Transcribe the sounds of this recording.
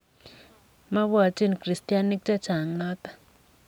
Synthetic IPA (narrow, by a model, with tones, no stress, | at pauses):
ma˦βu˦a˨tʼe˦ni˨kri˨stʼija˦ni˦k̚tʼa˦t͡ʃʰa˨a˨ŋaː˦tʼḁ˨